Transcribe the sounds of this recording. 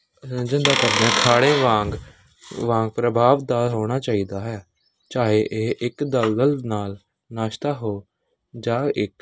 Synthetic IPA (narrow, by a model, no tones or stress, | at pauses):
d͡ʒɪ̃nd̪aːkəɾd̪ɛ̃ːkʰaːɽẽːʋãːŋɡ | ʋãːŋɡ̚pɾəbʱaːʋd̪aːɦoːɽ̃aːt͡ʃaːiːd̪aːɦɛː | t͡ʃaːɦeːʔeːʔɪkd̪əld̪əlnaːl | naːʃt̪aːɦoː | d͡ʒãːɪk